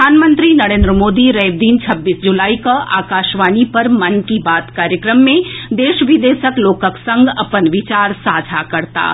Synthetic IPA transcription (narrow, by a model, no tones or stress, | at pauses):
aːnmə̃nt̪ɾinɐɾẽːnd̪ɾəmoːd̪iɾɛːbd̪iːnt͡ʃʰɐbːiːsd͡ʒʊlaːikaʔa̰ːkaːʃʋaːnipɐɾmɐnkibaːt̪kaːɾjəkɾəmːẽd̪eːʃʋɪd̪eːʃəkloːkəksɐ̃ŋɡɐpənʋɪt͡ʃaːɾsaːd͡ʒʱakɐɾt̪a̰ː